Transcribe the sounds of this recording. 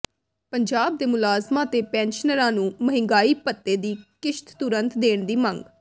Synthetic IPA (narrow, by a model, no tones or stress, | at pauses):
pəɲd͡ʒaːb̚d̪eːmʊlaːzmãːt̪eːpɛ̃ːnʃənəɾãːnũːməɦɪ̃ŋɡaːiːpət̪ːeːd̪iːkɪʃt̪t̪ʊɾənt̪d̪eːɳd̪iːmə̃ŋɡ